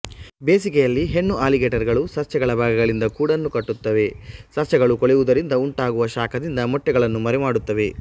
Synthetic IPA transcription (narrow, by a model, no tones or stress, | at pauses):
be̞ːsikɛjɐlːiɦe̞nːuʔaːliɡeːʈɐɾɡɐɭusɐɾt͡ʃɐɡɐɭɐbʱaːɡɐɡɐɭind̪ɐkuːɽɐnːukɐʈːut̪ːɐʋe̞sɐɾt͡ʃɐɡɐɭukoɭɛʋud̪ɐɾind̪ɐuɳʈaːɡuʋɐʃaːkʰɐd̪ind̪ɐmɔʈːɛɡɐɭɐnːumɐɾɛmaːɽut̪ːɐʋe̞